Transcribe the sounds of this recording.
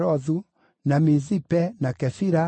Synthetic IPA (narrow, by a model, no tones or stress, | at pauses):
ɾɔðu | namizipɛnakɛfiɾa